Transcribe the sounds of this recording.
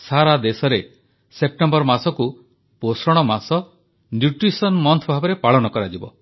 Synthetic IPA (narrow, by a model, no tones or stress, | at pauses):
saɾad̪esɔɾe | sep̚ʈembɔɾmasɔku | posɔɽ̃ɔmasɔ | njuʈɾisɔnmɔnt̪ʰɔbʱabɔɾepaɭɔnɔkɔɾad͡ʒibɔ̰